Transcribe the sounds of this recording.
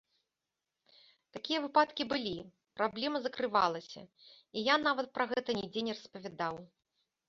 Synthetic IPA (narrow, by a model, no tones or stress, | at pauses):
t̪akʲijɐvɨpat̪kʲibɨlʲi | pɾablʲɛmɐzɐkɾɨvalˠɐsʲɐ̰ | ijanavɐt̪̚pɾaɣɛt̪ɐnʲid͡zʲenʲɛrɐspɐvʲad̪aw